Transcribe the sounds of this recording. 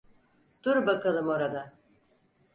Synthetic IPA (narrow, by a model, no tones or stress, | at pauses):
d̪̥uɾbakalˠɯmoɾad̪a